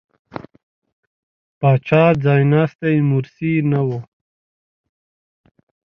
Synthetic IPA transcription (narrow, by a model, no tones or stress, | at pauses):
paːt͡ʃaːɾd͡zaːjnaːst̪eimuɾsinawo